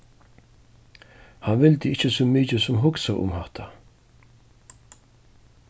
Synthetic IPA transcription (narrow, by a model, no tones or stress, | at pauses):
hanvɪlt̪əɪht͡ʃəsʊːmiːt͡ʃəsʊmɦʊksaʔʊ̰mhaht̪ʰa